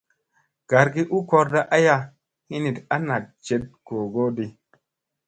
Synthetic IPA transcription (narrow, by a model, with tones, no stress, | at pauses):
ɡ̥a˨ɾɡi˦ʔu˦kɔ˧ɾda˦ʔa˦ja˦ | hi˦ni˨ta˦na˨t̚t͡ʃe˦t̚ko˨ɡo˦di˧